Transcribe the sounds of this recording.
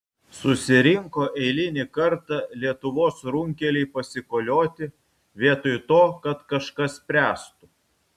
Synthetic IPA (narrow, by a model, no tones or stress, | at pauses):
sʊsʲɪɾʲɪŋkoːʔɛɪlʲɪnʲɪkɐɾt̪ɐlʲiɛt̪ʊʋoːsɾʊŋʲkʲɛlʲɛɪpɐsʲɪkoːlʲoːt̪ʲɪ | ʋʲiɛt̪ojt̪oːkɐt̪kɐʃkɐspʲɾʲæːst̪ʊ